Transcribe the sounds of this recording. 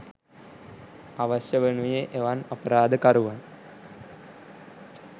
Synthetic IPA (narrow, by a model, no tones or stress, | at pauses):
aʋɐɕjəʋenujeʔeʋanɐpəɾaːd̪əkaɾuʋan